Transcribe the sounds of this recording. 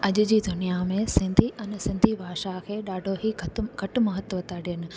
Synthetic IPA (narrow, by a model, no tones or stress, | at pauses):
ɐʄʊ̆d͡ʑiːd̪ʊnijamẽsɪ̃nd̪ʱiʔɐnsɪ̃nd̪ʱibʱaːʃakʰeːɗaːɖʱoɦiɡʱɐʈmɐɦət̪ʋət̪aɗijənɪ̆